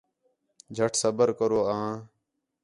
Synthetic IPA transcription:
d͡ʒʱəʈʰsəbəɾkəɾoːãː

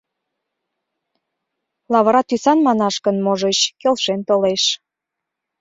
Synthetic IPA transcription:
lɑβəɾɑt̪ysɑnmɑnɑʃkənmoʒət͡ɕkelʃent̪oleʃ

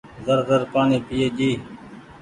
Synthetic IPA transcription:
zəɾzəɾpaːniːpijeːd͡ʒiː

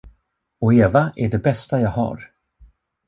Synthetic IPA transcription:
ɔeːvaʔæɖɛbɛst̪ajaːɡɦa̰ɾ

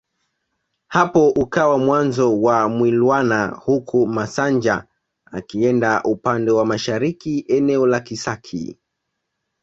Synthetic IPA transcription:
hapɔʔukawamwanzɔwamwilwanahukʰumasand͡ʒa | a̰kiɛndaʔupandɛwamaʃaɾikiɛnɛɔlakisakʰḭ

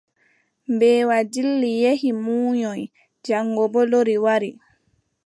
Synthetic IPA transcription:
mbɛːwadilːijehimuːɲɔj | d͡ʒaŋːɡɔbɔloɾiwaɾi

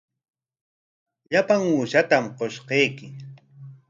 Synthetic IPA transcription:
ʎapaŋuːʃat̪amqoʃqejkɪ

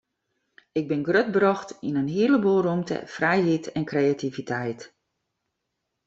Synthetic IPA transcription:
ɪɡ̚bɪnɡrøt̚brɔxtinənɦiələbolˠrumtə̰frɛjɦitʰɛnkreativitʰɛjt

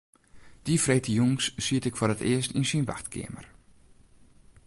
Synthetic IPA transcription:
d̥ifreːtəjuŋsːiətɪkfoɾətɪəstinsinʋa̰xtkʰɪ̰əmə̰r

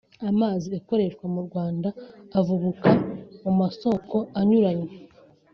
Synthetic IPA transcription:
amaːziako̞ɾe̞ʃwamuɾɡwaːndaːvuβukamumaso̞ko̞aɲuɾaɲe

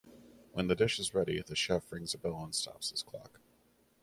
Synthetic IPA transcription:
wʔə̃nðɨdɪʃɨzɹɛɾiðɨʃɛfɹɪ̃ŋzəbɪlˠə̃nstʰɑ̰psɨz̥kʰl̥ɑ̰k

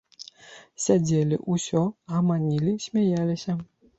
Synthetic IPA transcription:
sʲad͡zʲelʲḭʔusʲɔamanʲilʲisʲmʲajalʲɪsʲɐ

